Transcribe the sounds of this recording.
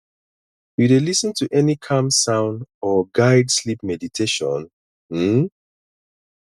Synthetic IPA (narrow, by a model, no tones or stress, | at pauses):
juɾelisə̃ntʰuʔɛnikʰãmsãʊ̃ndɔɡaɪdslipmɛditʰeʃɔ̰̃n̩